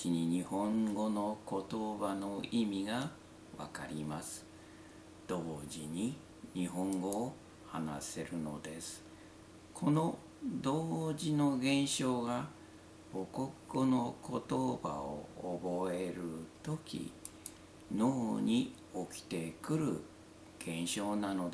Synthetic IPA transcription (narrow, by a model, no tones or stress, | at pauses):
iɲ̟iɲ̟ihõ̞ŋɡo̞no̞ko̞t̪obano̞imʲiɡa | βa̰ka̰ɾʲimasɨ̥ | d̪̥o̞ːʑiɲ̟i | ɲiɦõ̞ŋɡo̞ː | hana̰se̞ɾɯ̟no̞̰d̪e̞sɨ̥ | kʰo̞no̞ | d̪oːʑino̞ɡẽ̞ɰ̃ɕo̞ːɡa | bo̞ko̞kːono̞ko̞t̪oba̰o̰ːbo̞eɾɯ̟t̪o̞kʲḭ | noːɲ̟i | o̞kʲi̥t̪e̞kɯ̟ɾɯ̟̰ | ɡ̥ẽ̞ɰ̃ɕo̞ːnano̞d̪